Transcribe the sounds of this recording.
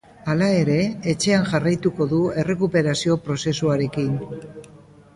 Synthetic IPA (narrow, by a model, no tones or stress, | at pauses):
alae̞ɾe̞ːt͡ʃe̞anʝarajt̪uko̞ðue̞re̞kupe̞ɾasio̞pɾo̞se̞suaɾe̞kin